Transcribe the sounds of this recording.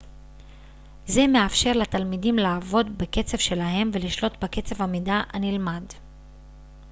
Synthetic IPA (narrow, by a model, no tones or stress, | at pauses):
ze̞meafʃe̞ʁlat̪almidimlaːvo̞dbeke̞t͡se̞v̥ʃelaɦe̞mve̞liʃlo̞tbake̞t͡se̞vamidaʔanilmad